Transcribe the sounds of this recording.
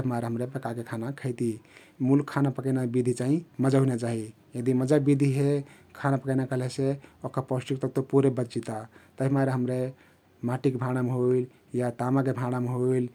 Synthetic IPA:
əmaɾeɦəmɾebekakekʰanakʰəɪt̪i | mulkʰːanapəkənabid̪ʱit͡ʃaɦĩməd͡ʒaɦunat͡ʃaɦi | jəd̪iməd͡ʒabid̪ʱiɦe | kʰanapəkəɪnakəleseokapɔsʈikt̪ək̚t̪opuɾebətt͡ʃit̪at̪əmaɾeɦəmɾe | maʈikebʱaɽ̃ameɦoil | jat̪amak̬ebʱãɽ̃ameɦoil

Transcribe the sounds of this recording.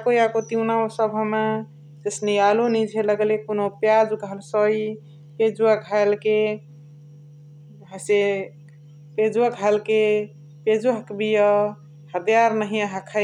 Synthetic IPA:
akojakot̪iunaosəbʱɦəma | d͡ʒesnejalonid͡ʒʱeləɡlekonopjad͡ʒukəlsəi | ped͡ʒuakalke | ɦəse | ped͡ʒuakalke | ped͡ʒuɦəkbijə | hət̪ijaɾnəɦiaɦəkʰa

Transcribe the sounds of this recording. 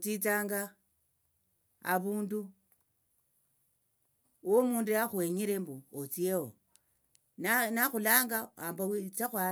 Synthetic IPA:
t͡sit͡saːŋɡa | βuːndu | womuːndujaxweɲiɾembuot͡siewo | nnaxulaːŋɡaambawit͡saxwa

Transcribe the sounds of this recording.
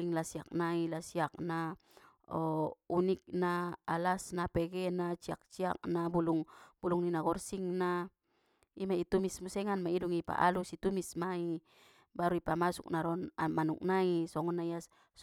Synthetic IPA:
iŋlasiak̚nailasiak̚na | ɔunik̚naalasnapɛɡɛnat͡ʃia̰k̚t͡ʃia̰k̚nabuluŋb̥uluŋninaɡɔrsiŋna | imait̪umismusɛŋanmaiduŋipa̰ʔa̰lusit̪umismai | baɾuipamasuk̚naɾɔnamanuk̚naisɔŋɔnaia | s

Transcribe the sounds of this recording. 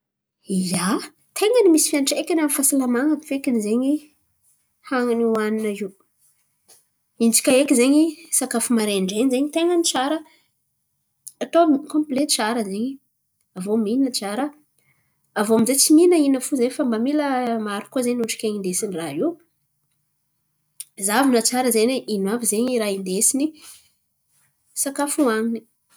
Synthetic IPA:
ja | t̪ʰeŋənimisi̥fianʈ͡ʂekʲanamifasalamaŋəki̥fekinizeɲi | haŋəniwaninaiw | int͡si̥kʲaekʲizeɲisakafimaɾeɳɖ͡ʐenizeɲit̪eŋənit͡saɾə | at̪omkõmplet͡saɾəzeɲi | avominnət͡saɾə | avoamizet͡siminəinəfuzefambamiləmaɾu̥kozeɲuʈ͡ʂi̥kʲeɲind̪esiniraɦiw | zavinət͡saɾəzeneinwavizeɲiɾaind̪esini | sakafuaŋini̥

